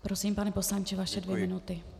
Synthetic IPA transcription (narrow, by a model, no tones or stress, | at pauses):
pɾo̞siːmpanɛpo̞slaɲt͡ʃɛvaʃɛdvjɛmɪnut̪ɪ